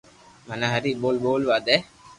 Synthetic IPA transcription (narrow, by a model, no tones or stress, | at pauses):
mɐnɐɦɐɾiboːlboːlʋaːd̪ɛ